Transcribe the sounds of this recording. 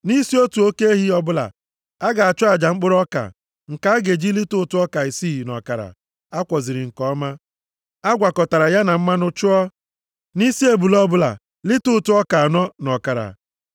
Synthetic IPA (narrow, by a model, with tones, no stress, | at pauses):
ni˦si˦o˦tu˨o˦ke˦e˦ɦi˦ɔ˦bʊ˦la̰˨ | a˦ɡa˨a˨t͡ʃʊ˦a˨d͡ʒa˨ŋ͡m̩˦k͡pʊ˦ɾɔ˦ka̰˨ | ŋ̩˨ka˨˦a˦ɡe˨d͡ʒi˦li˦tʊ˦tʊ˦ɔ˦ka˨i˨si˦˨nɔ̰˨ka˨ɾa̰˨ | a˦kʷɔ˨zɪ˨ɾɪ˨ŋ̩˨kɔ˦ma˦ | a˦ɡʷa˨kɔ˨ta˨ɾa˨ja˦na˨m̩˦ma˦nʊ˦t͡ʃʊ˦ɔ˦ | ni˦si˦e˨bu˨lɔ˦bʊ˦la̰˨ | li˦tʊ˦tʊ˦ɔ˦ka˨a˨nɔ˦nɔ˨ka˨ɾa̰˨